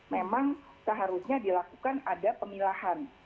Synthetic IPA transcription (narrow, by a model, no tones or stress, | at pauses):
memaŋ | səɦaɾusɲadilakukanadapəmilahan